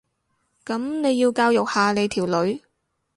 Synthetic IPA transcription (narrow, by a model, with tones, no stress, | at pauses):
kɐ˨˥mne˨˧jːiː˧wkaː˧wjʊ˨k̚haː˨˧ne˨˧jt̪ʰiː˨˩wlɵ˨˥ɥ